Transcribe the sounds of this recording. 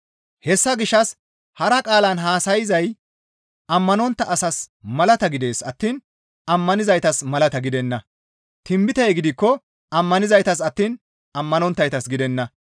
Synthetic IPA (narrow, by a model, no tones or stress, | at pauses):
hɛsːɐɡɪʃːɐs | hɐɾɐkʼaːlɐnɦaːsɐjɪzɐj | ɐmːɐnɔnt̪ːɐʔɐsɐsmɐlɐt̪ɐɡɪd̪e̞ːsɐt̪ːiːn | ɐmːɐnɪzɐjt̪ɐsmɐlɐt̪ɐɡɪd̪ɛnːɐ | t̪ɪmbɪt̪ɛjɡɪd̪ɪkːɔ | ɐmːɐnɪzɐjt̪ɐsɐt̪ːiːn | ɐmːɐnɔnt̪ːɐjt̪ɐsɡɪd̪ɛnːɐ